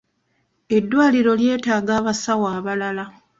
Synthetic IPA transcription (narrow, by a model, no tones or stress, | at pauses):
e̞dːwaːliɾo̞lje̞ːtaːɡaːβasawaːβalala